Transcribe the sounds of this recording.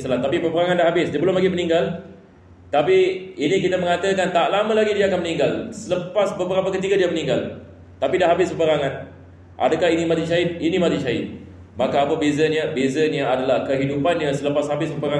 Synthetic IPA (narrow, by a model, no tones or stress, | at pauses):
salat̪apipəpəɾaŋãndaɦabɪsdiabəlʊmlaɡimənĩŋɡal | t̪apiinikit̪aməŋat̪əkant̪aʔlamãlaɡidiaːkanməniŋɡalsələpasbəbəɾapakət̪̬iɡadiamənĩŋɡal | t̪apidahɦabɪspəpəɾaŋãn | ʔa̰dakaɦinimat̪iʃaɪt̪̚inĩmat̪iʃaɪ̰t̪̚ | makaːpəbezaɲabezaɲaadalahkəɦidupanɲasələpashabɪspəpəɾa